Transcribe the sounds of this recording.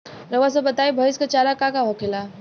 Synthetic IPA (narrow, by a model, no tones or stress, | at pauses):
ɾəʋas̬əbət̪aibʱəiskat͡ɕaɾakakaɦokela